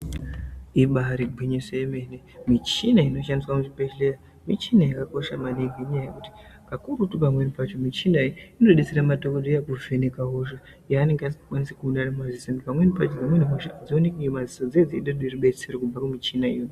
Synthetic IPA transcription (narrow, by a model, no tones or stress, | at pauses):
iɓaɾiɡʱiɲisojeme̞nemit͡ʃinaino̞ʃandiswamuʐipeʃleja | mit͡ʃinajakako̞ʃamaneɡeɲajajekuti̥ | kakuɾutupamwe̞nipat͡ʃo̞mit͡ʃinaiino̞ɗet͡seɾamatokodojakuʐe̞nekaɦoʃa | jaːne̞ŋɡeasi̥i̥kwanisekuunanamazisenipamwe̞nipat͡ʃod͡zamwenimeʃaːd͡zionekiomazisod͡zed͡ziiɗodoiriɓe̞t͡serekub͡vakumit͡ʃinaḭjo